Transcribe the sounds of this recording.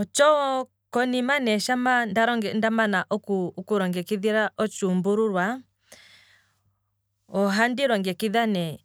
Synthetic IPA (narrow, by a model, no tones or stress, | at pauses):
ɔt͡ʃɔɔ | kɔnimanɛʃamandaɾɔŋɡɛndamanaʔɔkukuɾɔŋɡɛkiðiɾaʔɔt͡ʃumbuɾuɾwa | ɔɦandiɾwaŋɡɛkiðanɛ